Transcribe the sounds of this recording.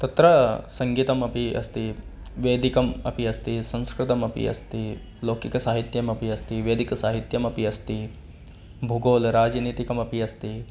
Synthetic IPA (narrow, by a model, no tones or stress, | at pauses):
t̪ɐt̪ɾɐsɐŋɡiːt̪ɐmɐpiɐ̰st̪i | ʋeːd̪ikɐmɐ̰piɐst̪isɐ̃ñskɾɪt̪ɐmɐpḭɐ̰st̪i | loːkikɐsaːɦit̪jɐmɐpiɐst̪iʋeːd̪ikɐsaːɦit̪jɐmɐpiɐst̪i | bʱuɡoːlɾaːd͡ʒniːt̪ikɐmɐpiɐst̪i